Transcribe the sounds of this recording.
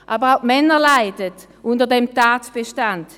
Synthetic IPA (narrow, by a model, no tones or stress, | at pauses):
ʔaːbəʁaʊmɛnəlaɪdət | ʔʊndəɐdɛmtaːtb̥eʃtant